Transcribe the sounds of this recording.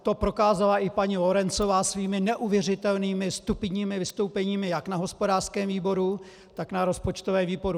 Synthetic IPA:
t̪o̞pɾo̞kaːzalaʔɪpaɲilo̞ɾɛnt͡so̞vaːsviːmɪnɛʔuvjɛrɪt̪ɛlniːmɪst̪upɲiːmɪvɪst̪o̞wpɛɲiːmɪjaknaɦo̞spodaːr̥skɛːmviːbo̞ɾu | t̪aknaɾo̞spot͡ʃt̪ovɛːviːboɾu

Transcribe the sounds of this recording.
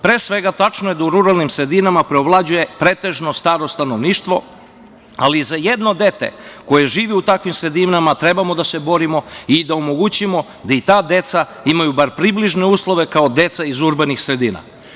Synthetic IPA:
pɾeːsʋe̞ɡat̪at͡ʃnoje̞d̪auɾuɾalˠnimsɾe̞d̪inamapɾeoʋlˠad͡ʑuje̞pɾeːt̪e̞ʒno̞st̪aːɾost̪anoʋniːʃt̪ʋo̞ | alizajed̪no̞d̪e̞t̪ḛko̞jeʒiːʋɛut̪akʋimsɾe̞d̪imnamat̪ɾe̞bamo̞d̪ase̞bo̞ɾimo̞id̪aomoɡut͡ɕimo̞ | d̪ait̪aːd̪e̞t̪sa | imajubaɾpɾibliʒneuːslˠo̞ʋe̞kao̞d̪e̞t̪saizuɾbanixsɾe̞d̪iːna̰

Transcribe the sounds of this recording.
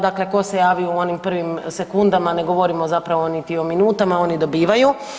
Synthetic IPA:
d̪akle̞ko̞se̞jaːʋiuo̞nimpr̩ʋimse̞kund̪amane̞ɡo̞ʋo̞ɾimozapɾaʋoonit̪io̞minuːt̪amao̞nid̪o̞biːʋaju

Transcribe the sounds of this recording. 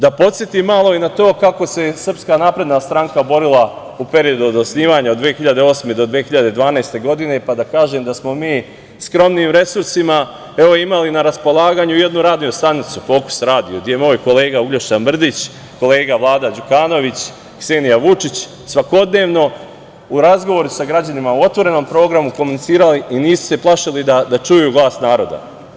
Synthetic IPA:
d̪apo̞t̪sjet̪imːalˠo̞inat̪o̞ːkako̞se̞sər̩pskanaːpɾe̞d̪nast̪ɾaŋkabo̞ɾilˠa | upe̞ɾio̞d̪uod̪osniːʋaːɲaod̪ʋeːxiʎad̪e̞o̞ːsme̞d̪o̞d̪ʋeːxiʎad̪e̞d̪ʋaːnajst̪e̞ɡo̞d̪ine̞pad̪akaːʒe̞ːmd̪asmo̞miː | skɾo̞mniːmɾe̞suɾsima | e̞ʋo̞imalinaɾaspo̞lˠaːɡaːɲuje̞d̪nuɾaːd̪nijust̪anit̪sufo̞ːku̥sɾaːd̪ijod̪ijemo̞ːjko̞le̞ːɡauɡʎoʃt̪anmr̩d̪it͡ɕ | ko̞le̞ːɡaʋlˠaːd̪ad͡ʑukaːno̞ʋit͡ɕ | kseːnijaʋut͡ʃit͡ɕ | sʋako̞d̪ne̞ːʋno̞ | uɾazɡo̞ʋo̞ɾusaɡɾad͡ʑanimauo̞t̪ʋo̞ɾe̞no̞ːmpɾo̞ːɡɾamuko̞munit̪iːɾaliiniːsu̥se̞plˠaʃilid̪ad̪at͡ʃujuɡlˠaːst̪naːɾo̞d̪a̰

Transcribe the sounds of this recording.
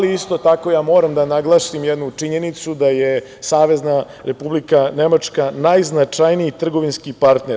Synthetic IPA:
aliist̪o̞t̪ako̞jaːmo̞ːɾamd̪anaɡlˠaːʃimjed̪nut͡ʂiɲe̞nit̪sud̪aje | saːʋe̞zna | ɾe̞publikane̞mat͡ʂkanajznat͡ʂajniit̪r̩ɡo̞ʋinskipaɾt̪ne̞

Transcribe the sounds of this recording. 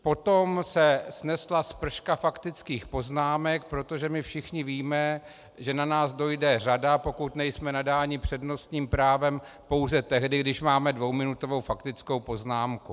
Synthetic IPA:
po̞t̪omsɛsnɛslaspr̩ʃkafakt̪ɪt͡skiːxpo̞znaːmɛk̚pɾo̞t̪o̞ʒɛmɪfʃɪxɲɪviːmɛ | ʒɛnanaːzdo̞jdɛr̝adapo̞kut̪nɛjsmɛnadaːɲɪpr̝̥ɛdno̞st̪ɲiːmpɾaːvɛm | po̞wzɛt̪ɛɦdɪɡdɪʃmaːmɛdvo̞wmɪnut̪ovo̞wfakt̪ɪt͡sko̞wpo̞znaːmku

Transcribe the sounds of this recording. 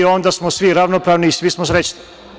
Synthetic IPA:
o̞nd̪asmosʋiɾaʋnopɾaːʋniːsʋismosɾet͡ɕni̥

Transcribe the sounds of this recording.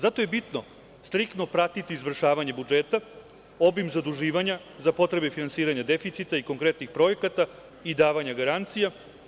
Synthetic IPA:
zat̪o̞je̞bit̪no̞ | st̪ɾikt̪no̞pɾat̪it̪iːzʋr̩ʃaːʋaɲebud͡ʒeːt̪a | o̞bimzad̪uʒiːʋaɲa | zapo̞t̪ɾe̞be̞finansiːɾaɲad̪e̞fit̪sit̪aiko̞ŋkɾe̞t̪nixpɾo̞je̞kat̪a | id̪aːʋaɲaɡaɾant̪sija

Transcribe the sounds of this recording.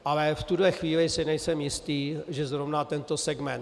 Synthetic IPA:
ʔalɛft̪udlɛxviːlɪsɪnɛjsɛmjɪst̪iːʒɛzɾovnat̪ɛnt̪o̞sɛɡmɛn

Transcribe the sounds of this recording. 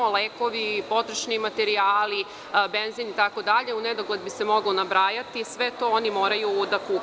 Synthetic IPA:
oleːko̞ʋipo̞t̪ɾeʃnimat̪eɾiaːli | benzinit̪ako̞d̪aʎe̞uned̪o̞ɡlˠed̪bisemo̞ɡonabɾaːjat̪isʋe̞t̪o̞ːonimo̞ːɾajud̪akuː

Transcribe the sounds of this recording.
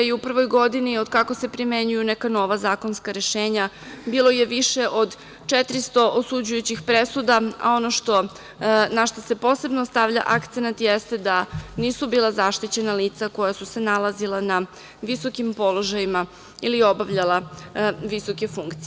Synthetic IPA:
iupr̩ʋo̞jɡo̞d̪inio̞d̪kako̞se̞pɾimeɲujunekano̞ʋazaːko̞nskaɾe̞ʃeːɲa | biːlˠo̞je̞ʋiʃeʔo̞d̪ | t͡ʃet̪ɾist̪o̞ʔosud͡ʑujut͡ɕixpɾesud̪aa̰o̞noʃt̪o̞ | naʃt̪o̞se̞po̞se̞bnost̪aʋʎa̰ʔakt̪senat̪jest̪e̞d̪aniːsubiːlˠazaʃt̪it͡ɕe̞naliːt̪sako̞jasuse̞nalˠazilˠana | ʋiso̞kimpo̞lˠo̞ʒajima | ilio̞baʋʎalˠaʋiso̞ke̞fuŋkt̪si

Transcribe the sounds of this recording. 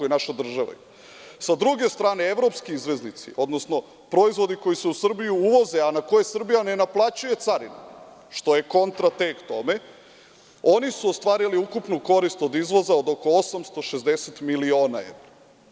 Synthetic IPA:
ojenaʃad̪r̩ʒaʋa̰ | sad̪ɾuɡe̞st̪ɾaːne̞eʋɾo̞pskiizʋe̞znit̪sḭʔo̞d̪no̞sno̞ | pɾo̞izʋo̞d̪iko̞jiseusr̩bijuuʋo̞ze̞anako̞je̞sr̩bijane̞naplˠat͡ɕuje̞t̪saɾina̰ | ʃt̪o̞je̞ko̞nt̪ɾat̪ekt̪o̞me̞ | o̞nisuost̪ʋaːɾiliukupnuko̞ɾist̪o̞d̪izʋo̞zaod̪o̞ko̞osamst̪o̞ʃezd̪e̞set̪milio̞ːnae̞̰ʋɾa

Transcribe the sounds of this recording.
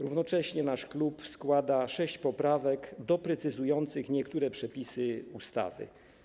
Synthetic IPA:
ɾuvnɔt͡ʂɛɕɲɛnaʂklupskwad̪aʂɛɕt͡ɕpɔpɾavɛkd̪ɔpɾɛt̪sɘzujɔnt̪sɘxɲɛkt̪uɾɛpʂɛpʲisɘust̪a̰vɘ̰

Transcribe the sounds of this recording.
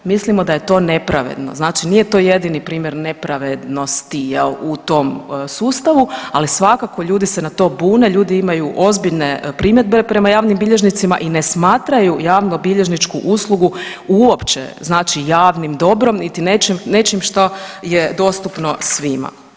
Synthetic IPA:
mislimo̞d̪aje̞t̪o̞ːne̞pɾaʋḛd̪no̞̰znaːt͡ʃinije̞t̪oje̞d̪inipɾiːmje̞ɾne̞pɾaʋed̪no̞st̪ijelut̪o̞msuːst̪aʋualisʋakako̞ʎuːd̪ise̞nat̪o̞ːbuːne̞ʎuːd̪iimajuʔo̞zbiʎnepɾimje̞d̪̚be̞pɾe̞majaːʋnimbiʎe̞ʒnit̪sima̰ʔinesmaːt̪ɾajujaːʋnubiʎe̞ʒnit͡ʃkuʔuslˠuɡuuopt͡ʃḛznaːt͡ʃijaːʋnimd̪o̞bɾo̞mnit̪inet͡ʃimne̞t͡ʃimʃt̪ojed̪o̞ːst̪upno̞sʋima̰

